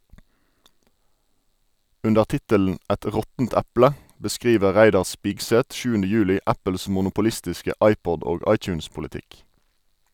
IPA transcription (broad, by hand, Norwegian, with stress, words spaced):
ˈʉndəʁ ˈtɪtəln̩ ˈɛt ˈʁɔtn̩t ˈæplə bəˈskʁiːʋə ˈʁæɪdɑʁ ˈspɪɡˌsɛt ˈʃʉːəndə ˈjʉːlɪ ˈæpəls mʊnʊpʊˈlɪstɪskə ˈɑɪˌpɔd ˈoːɡ ˈɑɪˌt͡ʃʉːnspʊlɪˌtɪk